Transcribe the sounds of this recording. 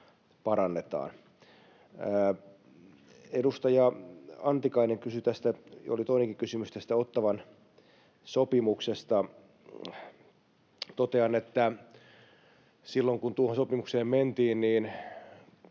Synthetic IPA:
pɑɾɑnːet̪ɑ̰ːn | edust̪ɑjɑɑnt̪ikɑineŋkysyt̪æst̪æjolit̪oineŋkikysymyst̪æst̪æot̪ːɑʋɑn | sopimuksest̪ɑ | t̪ot̪eɑnet̪ːæ | silːoŋkunt̪uohonsopimukseːmment̪iːnniːn

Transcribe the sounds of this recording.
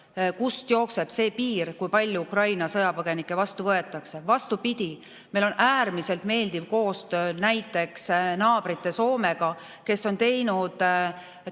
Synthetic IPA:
kust̪jo̞ːkse̞b̥se̞ːpiːrkujpɑlʲjuukrɑjnɑsɤjɑpɤɡ̥e̞nikːˑe̞vɑst̪uvɤe̞t̪ːˑɑkse̞vɑst̪upid̪̥ʲi | mejlo̞nʔæːrmise̞lt̪me̞ːld̪ivko̞ːst̪øːnæjt̪ːˑe̞ksnɑːb̥rit̪ːˑe̞so̞ːme̞ɡ̥ɑ | ke̞sːo̞nt̪e̞jnud̪̥

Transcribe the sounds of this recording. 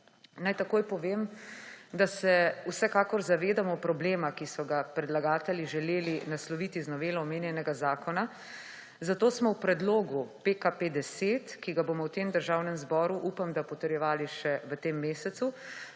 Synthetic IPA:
najt̪akoːjpɔʋeːm | d̪asɛusɛkaːkɔɾzaʋeːd̪amɔpɾɔbleːmakisɔɡapɾɛd̪laɡaːt̪ɛliʒɛleːlinaslɔʋiːt̪iznɔʋeːlaɔmeːnjɛnɛɡazaːkɔna | zat̪oːsmɔwpɾɛd̪loːɡupekaped̪ɛseːt̪kiɡaboːmɔwt̪eːmd̪əɾʒaːwnɛmzbɔːɾuʔupamd̪apɔt̪əɾjɛʋaːliʃɛʋət̪eːmːeːsɛt̪su

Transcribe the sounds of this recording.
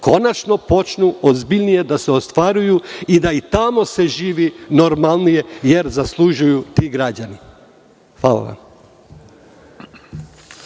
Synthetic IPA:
ko̞nat͡ʃno̞po̞t͡ʃnuozbiʎnije̞d̪aseo̞st̪ʋaɾujuid̪ait̪amo̞se̞ʒiːʋino̞ɾmalˠnije̞je̞ɾzaslˠuʒujut̪iɡɾad͡ʑani | hʋaːlˠa̰ʋa̰m

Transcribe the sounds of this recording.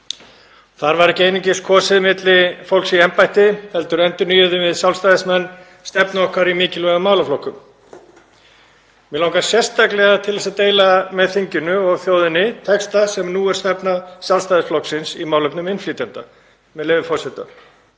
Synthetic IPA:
θaɾvaɾɛhcɪeːjniɲcɪskʰɔːsɪðmɪt̪lɪfowl̥ksiɛmpajht̪ɪhɛlt̪ʏɾɛnt̪ʏɾnyːjʏðʏvɪðsjawlst̪ajðɪsmɛnː | st̪ɛpnaɔhkvaɾimɪːcɪlvɛɣʏmːaːwlaflɔhkːʏm | mɛlawŋkḁsjɛr̥st̪aklɛɣat̪ʰɪlðɛsat̪eːjlamɛðθiɲcʏnʏɔɣθjoːwðɪnɪt̪ʰɛkst̪asɛmnuːɛɾ̥st̪ɛpnasjawlst̪ajðɪsflɔksɪnsḭmawlœpnʏmɪnfliːt̪jant̪a̰ | mɛlɛːvɪfɔrsɛt̪a̰

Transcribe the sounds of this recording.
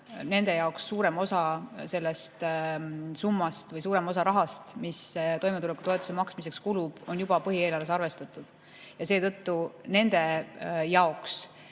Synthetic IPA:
ne̞nd̪̥e̞jɑo̞ksːuːɾe̞mo̞sɑse̞lːe̞st̪ | sumːɑst̪vɤjsuːɾe̞mo̞sɑɾɑɦɑst̪mist̪o̞jmeule̞kut̪o̞et̪ːˑu̥semɑksmis̬e̞kskulub̥o̞njub̥ɑpɤɦieːlɑrvesɑrve̞st̪ɑt̪ːˑud̪̥ | jɑse̞ːt̪ɤ̞t̪ːune̞nd̪̥e̞jɑo̞ks

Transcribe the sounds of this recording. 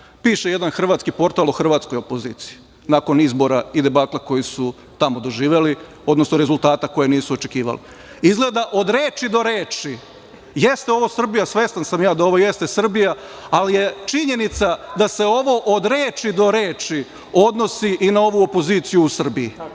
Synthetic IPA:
piːʃeje̞d̪anxr̩ʋaːt̪skipo̞ɾt̪alˠoxr̩ʋaːt̪sko̞jopo̞zḭːt̪si̥ji | nako̞nizbo̞ɾaid̪e̞baːt̪lako̞jisu | t̪amo̞d̪o̞ʒiːʋeli | o̞d̪nosnoɾezulˠt̪aːt̪ako̞jeniːsuot͡ʃe̞kiːʋa̰li | izɡlˠed̪aʔo̞d̪ɾe̞ːt͡ʃid̪o̞ɾeːt͡ʃi | jest̪eo̞ʋo̞sr̩bijasʋe̞st̪ansamjaːd̪ao̞ʋo̞je̞st̪esr̩bijaalije̞t͡ʃiɲe̞nit̪sad̪ase̞o̞ʋo̞ʔod̪ɾe̞ːt͡ʃid̪o̞ɾe̞ːt͡ʃi | o̞d̪no̞siʔinao̞ʋuopo̞ziːt̪sijuːsr̩biji

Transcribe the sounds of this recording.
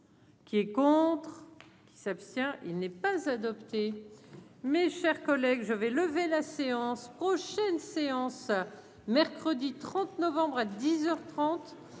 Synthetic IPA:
kʲiɛkɔ̃t̪χ | kʲi̥sapst̪jɛ̃ʔḭlnɛpazad̪ɔpt̪e | meʃɛʁkɔlɛɡʒəvɛləvelaseɑ̃spχɔʃɛnseɑ̃s | mɛʁkχəd̪it̪χɑ̃t̪nɔvɑ̃bʁad̪izœʁt̪χɑ̃t̪

